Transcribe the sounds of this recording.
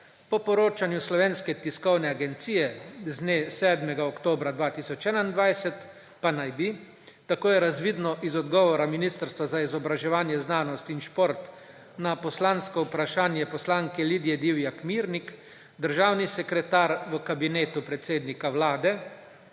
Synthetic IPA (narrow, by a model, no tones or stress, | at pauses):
pɔpɔɾoːt͡ʃanjuslɔʋeːnskɛt̪iskɔwnɛaɡɛnt̪siːjɛzneːsɛːd̪mɛɡaɔkt̪oːbɾad̪ʋaːt̪isɔt͡ʃɛːnaind̪ʋajsɛt̪ | panajbi | t̪akoːjɛɾazʋiːd̪nɔʔizɔd̪ɡɔːʋɔɾaminist̪əɾst̪ʋazaizɔbɾaʒɛʋaːnjɛznaːnɔst̪inʃpoɾt̪ | napɔslanskɔupɾaʃaːnjɛpɔslaːŋkɛliːd̪ijɛd̪iwjakmiːɾnik | d̪əɾʒaːwnisɛkɾɛt̪aːɾʋəkabineːt̪upɾɛt̪seːd̪nikawlaːd̪ɛ